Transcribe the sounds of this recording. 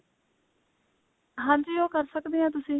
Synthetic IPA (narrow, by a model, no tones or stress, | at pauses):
ɦãːnd͡ʒioːkəɾsəkd̪eːãːt̪̬ʊsĩː